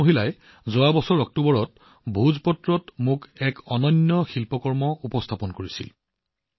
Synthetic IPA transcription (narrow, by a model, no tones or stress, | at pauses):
oɦilaj | zoabɔsɔɹɔk̚tobɔɹɔt | bʱuzpɔtɹɔtmʊkɛkɔnɔnːɔxilpɔkɔɹmɔupɔstʰapɔnkoɹisḭl